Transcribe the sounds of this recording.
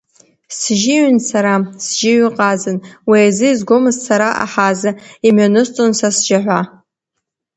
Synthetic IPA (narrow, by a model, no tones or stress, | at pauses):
sʒɪʕnsaɾasʒɪɥɨqʼazɨnwiazɨizɡʷomɨzsʰaɾaʔa̰ħazaimʕanɨst͡sʼonsasd͡ʒaħʷa